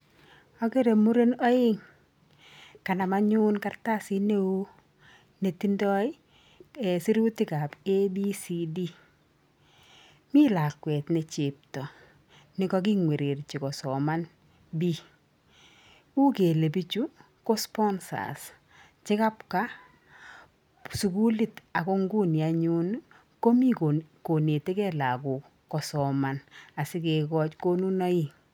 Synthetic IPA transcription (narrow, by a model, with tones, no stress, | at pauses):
ɔ˦ɡe˦ɾe˨mu˦ɾe˦nɔ˦ɪ˦ŋ | ka˨na˨ma˦ɲu˦nka˦rta˦si˦ne˦wo˦ | ne˨ti˦ndɔ˦ɪ˦ | e˨si˦ɾu˦ti˦ka˨be˦bi˦si˦di˦ | mi˦la˨kwɛ˨t̪ne˨t͡ʃɪ˨p̚tɔ˨ | nɪ˨˦kɔ˦ɡ̬ɪ˦ŋwe˨ɾe˨rt͡ʃɪ˨kɔ˨sɔ˨ma˦n | bi˦ | u˦ke˨le˨bi˦t͡ʃu˦ | ko˦spɔ˦nsa̰˨s | t͡ʃɪ˦ka˦pka˦ | su˨ku˦li˨ta˨ko˦ŋɡu˦nja˨ɲu˦n | ko˦mi˦ko˨ne˨te˦kɛ˦la˨kʊ˨ | kɔ˨sɔ˨ma˨na˨sɪ˦ke˨kɔ˦t͡ʃko˦nu˦na˦i˦